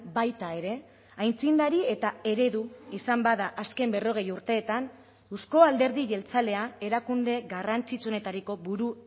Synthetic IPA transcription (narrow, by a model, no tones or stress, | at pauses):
bajt̪ae̞ɾe̞ | ajnt͡sind̪aɾie̞t̪ae̞ɾe̞ðuisambaðaʔaske̞mbe̞ro̞ɣ̞e̞juɾt̪e̞ːt̪an | usko̞ald̪e̞ɾðiʝe̞lt͡sale̞ae̞ɾakund̪e̞ɣarant͡sit͡suo̞ne̞t̪aɾiko̞βuɾu